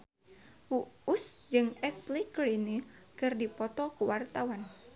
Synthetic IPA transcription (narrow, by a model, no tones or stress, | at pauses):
wuusd͡ʒɨŋɛslikɾinikɨrdipɔt̪ɔkuwart̪awan